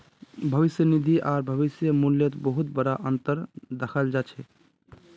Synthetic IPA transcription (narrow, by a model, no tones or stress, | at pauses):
bʱəʋisjənid̪ʱiʔaːɾbʱəβisjəmuljət̪bəɦut̪bəɽaʔənt̪əɾd̪əkʰəld͡ʒat͡ʃʰɛ